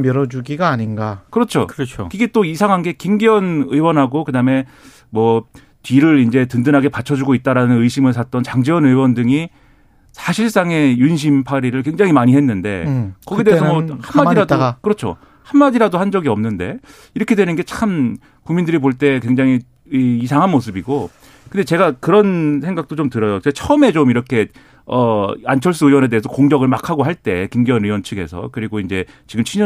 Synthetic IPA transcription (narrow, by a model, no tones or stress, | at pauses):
mjʌɾʌd͡ʑuɡiɡaːɲinɡakɯɾʌt͡ɕʰo̰kɯɾʌt͡ɕʰoiɡe̞t͈oisʰaŋɦanɡe̞kimɡiʌnɯiwʌnɦaɡokɯdame̞ | mwʌ | piɾɯɾind͡ʑe̞tɯndɯnɦaɡe̞pat͡ɕʰʌd͡ʑuɡoit̚t͈aɾanɯnɯjɕʰimɯɭs̬ʰat͈ʌnt͡ɕaŋd͡ʑiwʌnɯiwʌndɯŋi | sʰaɕʰiɭs͈aŋe̞junɕ̬ʰimpʰaɾiɾɯɭkwe̞ŋd͡ʑaŋɦimaɲiɦe̞nːɯnde̞̰kʌɡidees̬ʰʌwʌhamːaiɾadkɯɾʌt͡ɕʰo̰ | hanmadiɾadohand͡ʑʌɡiʌmnɯnde | iɾʌkʰe̞dwe̞nɯnɡe̞t͡ɕʰam | kuŋmindɯɾipoɭt͈e̞kwe̞ŋd͡ʑaŋiː | sʰaŋɦanmos̬ʰɯbiɡo | kɯndet͡ɕe̞ɡakɯɾʌns̬ʰe̞ŋɡak̚t͈ot͡ɕomtɯɾʌjot͡ɕʰʌɯme̞t͡ɕomiɾʌkʰe̞ | ʌant͡ɕʰʌɭs̬͈ɯɯjwʌne̞dees̬ʰʌkoŋɡjʌɡɯɭmakʰaɡoɦaɭt͈e̞kimɡiʌnɯwʌnt͡ɕʰɯɡe̞̰sʰʌ̰kɯɾiɡoind͡ʑe̞t͡ɕiɡɯmt͡ɕʰiɲ